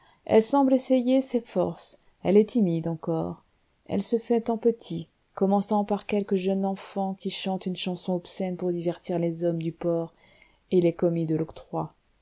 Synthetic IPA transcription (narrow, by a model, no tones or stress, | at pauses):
ɛ̰lsɑ̃blesejesefɔ̰ʁs | ɛ̰lɛt̪imid̪ɑ̃kɔ̰ːʁ | ɛ̰lsəfɛt̪ɑ̃pət̪ʰi | kɔmɑ̃sɑ̃paʁkʲɛlkəʒənɑ̃fɑ̃kʲiʃɑ̃t̪ynʃɑ̃sɔ̃ɔpsɛnpuʁd̪ivɛʁt̪iʁlezɔmd̪ypɔʁ | elekɔmid̪əlɔkt̪χwa